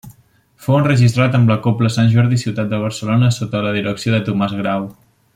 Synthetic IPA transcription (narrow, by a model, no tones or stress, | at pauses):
fowunrəʒist̪ɾat̪əmləkopləsanʲʒɔɾðisiwt̪at̪̚d̪əβ̞əɾsəlonəsot̪ələðiɾəksioðət̪umazɣɾaw